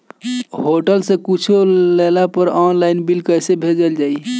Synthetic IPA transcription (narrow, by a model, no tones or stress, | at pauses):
ɦoʈəlsẽkit͡ʃʰulelapəɾɔnlainbilkəjsebʱed͡ʒəld͡ʒai